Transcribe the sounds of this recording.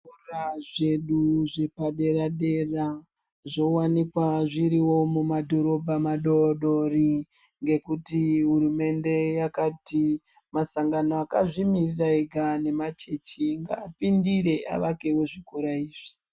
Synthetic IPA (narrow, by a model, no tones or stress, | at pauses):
oraʐe̞ɗuʐe̞paɗe̞ɾaɗe̞ra | ʐo̞wanikwaʐiɾiwo̞mumadʱo̞ɾo̞bʱamaɗoɗo̞riŋɡe̞kutiɦuɾume̞nde̞jakati | masaŋɡano̞akaʐimiriraiɡʱane̞mat͡ʃe̞t͡ʃiŋɡa̰ːpindiɾe̞ʔa̰ʋake̞wo̞ʐikoɾaiːʐ̥i̥